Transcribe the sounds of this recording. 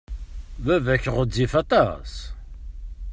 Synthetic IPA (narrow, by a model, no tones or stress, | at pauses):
vævæçəʁəd͡zifæt̪ˤɑ̰s